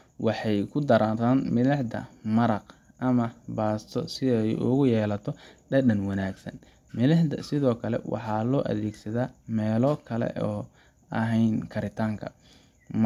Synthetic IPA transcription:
wɑħɑjkʰʊd̪ɐɾaːt̪aːnmɪlɐħd̪ɐ̰mɐɾɑq | ʔɐmɐbaːst̪ʰɔsɪɛjʊ̰ɣʊjɛːlɐt̪ʰɔɖɐdɐnwɑnaːɡsɐ̰n | mɪlɐħd̪ɐ̰sɪðɔːkʰɐlɛ̰wɑ̰ħɑːlɔːʔɐ̰ðɛːɡsɐðaːmɛːlɔːkʰɐlɛ̰ʔɔː | ʔɐɦɛjnkʰɐɾɪt̪ʰaːŋkʰɐ̰

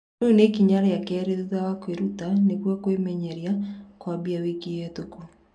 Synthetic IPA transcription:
unekiɲaɾajakɛɾeðuðawakweɾutanekwakwemɛɲɛɾjakwabiawikijɛtuku

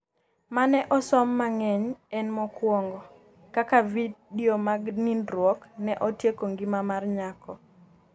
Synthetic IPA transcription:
manɛʔɔsɔmːaŋɛɲɛnmɔkwɔŋɡɔ | kakavidiomaɡnindɾwɔknɛʔɔtjekoŋɡimamarɲakɔ

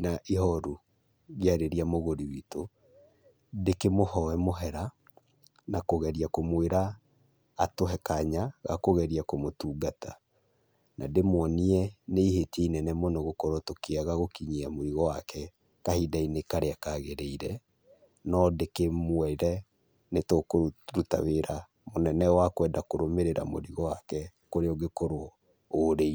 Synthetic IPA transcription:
naʔiɦɔɾu | ɣjaɾeɾiamoɣoɾiwito | dekemohɔɛmoɦɛɾa | nakoɣɛɾiakomweɾaː | toɦɛkaɲaɣa̰koɣɛɾiakomotuːɡatʰa | na̰demwɔniɛneiɦeteinɛnɛmɔnɔɣokɔɾotokeaɣaɣokiɲiamoɾiɣɔwakɛ | kahidainekaɾeakaɣeɾeiɾɛ | nɔdekemwɛiɾɛ | netokoɾuta̰weɾa | monɛnɛwakwɛːdakoɾomeɾeɾa̰mo̰ɾiɣɔwakɛkoɾeɔɡekoɾo | oɾei

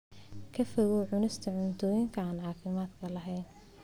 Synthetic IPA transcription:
kʰɐfɔɣɔʕʊnɪst̪ʰɐʕʊnt̪ʰɔːjɪŋkʰɐaːnʕɑːfɪmaːd̪kʰɐlɐɦɛjn

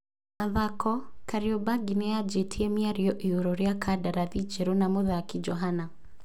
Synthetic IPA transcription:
maðakɔkaɾiobaɡinɛjad͡ʒetʰiɛmjaɾiɔʔioɾɔɾjakʰadaɾaðid͡ʒeɾonamoðakid͡ʒɔɦana

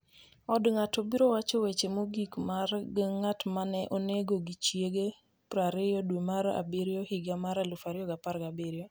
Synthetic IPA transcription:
ɔdŋatobiɾowat͡ʃɔwet͡ʃemoɡikmarɡŋatmanɛʔoneɡoɡit͡ʃjeɡe | pɾaɾɪjɔdwemaɾa̰beɾjohɪɡamaɾalufaɾɪɔɡapaɾɡabeɾjo

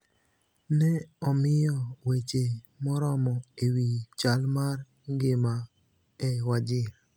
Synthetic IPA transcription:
nɛɔmɪjɔwet͡ʃe | mɔɾɔmɔewit͡ʃalmar | ɡɪma | ɛwad͡ʒɪ

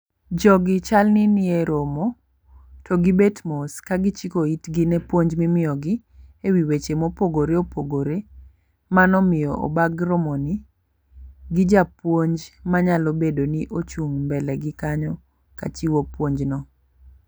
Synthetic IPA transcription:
d͡ʒɔɡɪt͡ʃalnɪnɪeɾomo | tʰɔɡɪbetmoskaɡɪt͡ʃikoitɡinɛpwoɲd͡ʒmɪmɪjɔɡɪ | ewiwet͡ʃemopoɡoɾeopʰoɡoɾe | manɔmɪjɔʔo̰baɡɾomoni | ɡɪd͡ʒapwoɲd͡ʒmaɲalɔbedonɪʔot͡ʃuŋmbɛlɛɡɪkaɲɔ | ka̰t͡ʃiwopwoɲd͡ʒnɔ

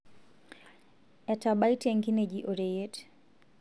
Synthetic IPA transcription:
ɛtabaiteŋɡined͡ʒiʔoɾejet

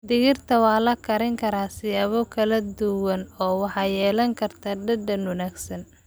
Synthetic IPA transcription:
d̪ɪɣɪrt̪ʰɐwɑːlɐkʰɐɾɪŋkʰɐɾaːsɪjaːβɔkʰɐlɐd̪ʊwɐnɔːwɑħɑjɛːlɐŋkʰɐrt̪ʰaɖɐd̪ɐnʊnaːɡsɐn

